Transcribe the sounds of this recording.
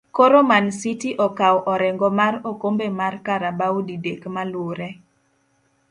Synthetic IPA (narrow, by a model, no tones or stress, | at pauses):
koɾomansitiʔɔkawʔɔɾɛŋɡɔmaɾokombemarkaɾabawdidekmaloɾɛ